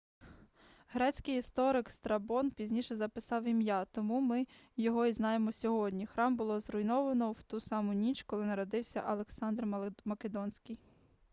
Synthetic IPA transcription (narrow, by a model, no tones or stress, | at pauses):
ɦɾɛt͡sʲkɪjist̪ɔɾɪkst̪ɾɐbɔnpʲizʲnʲiʃɛzɐpɪsɑwimjɑt̪ɔmumɪ | jɔɦɔiznɑjemɔsʲɔɦɔdʲnʲixɾɑmbʊlˠɔzɾʊjnɔʋɐnɔwt̪usɑmʊnʲit͡ʃkɔlˠɪnɐɾɔd̪ɪwsʲɐ̰ʔɐlˠeksɑnd̪rmɐked̪ɔnsʲkʲɪj